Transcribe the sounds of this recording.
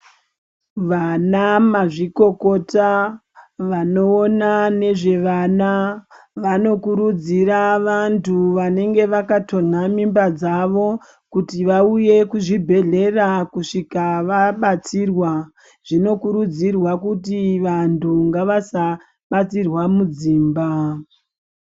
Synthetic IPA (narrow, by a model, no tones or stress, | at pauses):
ʋanamaʐiko̞ko̞ta | ʋano̞ːnane̞ʐe̞ʋanaʋano̞kuɾud͡ziɾaʋantʰuʋane̞ŋɡe̞ʋakato̞n̤amimbad͡zaʋo̞ | kutiʋauje̞kuʐibʱe̞ɮe̞rakuʂikaʋaɓat͡sirwa | ʐ̥ino̞kuɾud͡zirwakutiʋantʰuŋɡaʋasa | ɓat͡sirwamud͡ziːmba